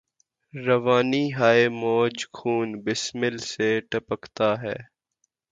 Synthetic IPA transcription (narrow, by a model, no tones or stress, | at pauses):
ɾəʋaːniːɦaːemɔːd͡ʒkʰuːnbɪsmɪlseːʈəpəkt̪aːɦɛ̰ː